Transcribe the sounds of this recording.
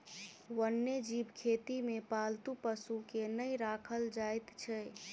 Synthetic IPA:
ʋənːed͡ʒibkʰet̪imepalt̪upəsukenəjɾakʰəld͡ʒajt̪t͡ʃʰɛ

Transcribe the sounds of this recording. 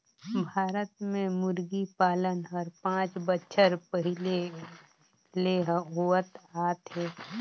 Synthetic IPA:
bʱaːɾət̪mẽmʊɾɡipaːlənɦəɾpãːt͡ʃbətːʃʰəɾpəɦɪle | leɦɦuʋət̪aːt̪ɦeː

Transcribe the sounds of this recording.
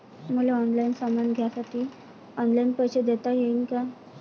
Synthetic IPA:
muleɔnlainsamanɡʱjasaʈʰiː | ɔnlainpəɕed̪et̪ajeinka

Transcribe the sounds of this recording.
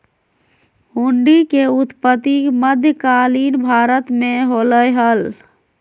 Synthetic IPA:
huɳɖikeut̪pət̪ːiməd̪ʱjəkalinbʱaɾət̪meɦoləjɦəl

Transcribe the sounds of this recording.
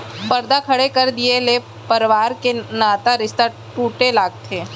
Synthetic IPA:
pɐɾd̪akʰɐɽekɐɾd̪iele | pɐɾʋaːɾkenaːt̪aɾɪst̪a | ʈuːʈelaːɡ̚t̪ʰeː

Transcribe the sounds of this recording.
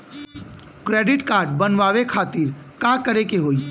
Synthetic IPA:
kɾeːɖɪʈkaːɾɖ̚bənʋaːʋekʰaːt̪iɾ | kãkəɾekeɦoːi

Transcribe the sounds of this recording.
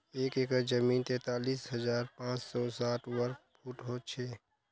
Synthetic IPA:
eːkekəd͡ʒəmiːnt̪ɛ̃ːt̪aːliːsɦəzaːɾpãːt͡ʃsɔːsaːʈwəɾk̚pʰuːʈɦot͡ʃʰeː

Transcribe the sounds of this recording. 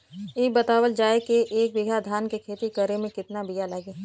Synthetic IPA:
eːbɐt̪aːwəld͡ʒaːekeʔeːk̚bɪɡʱad̪ʱaːnkekʰeːt̪ikəɾemẽkɪt̪nabijalaɡeː

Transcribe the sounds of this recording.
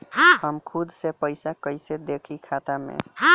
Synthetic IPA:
ɦãɦəmkʰud̪sepəjsakəjsed̪ekʰikʰat̪amḛɦã

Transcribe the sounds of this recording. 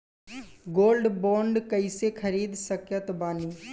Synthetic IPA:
ɡoːlɖbɔ̃ːɳɖkəisekʰɐɾiːd̪səkjət̪baːniː

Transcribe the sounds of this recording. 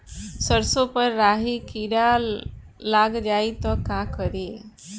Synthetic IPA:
səɾsopəɾːaɦikiɽa | laɡd͡ʒait̪ɔkakəɾe

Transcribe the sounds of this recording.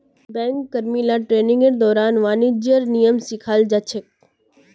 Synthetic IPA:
bɛ̃ːŋkːɐɾmiːlaʈɾeːnɪ̃ŋɡəɾd̪ɔːɾaːnʋaːnid͡ʒjəɾnijəmsɪkʰaːld͡ʒat͡ʃʰek̚

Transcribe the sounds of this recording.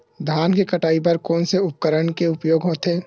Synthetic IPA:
d̪ʱaːnkekəʈaːipəɾkɔːnseʊp̚kəɾəɳkeʊpjoːɡɦoːt̪eː

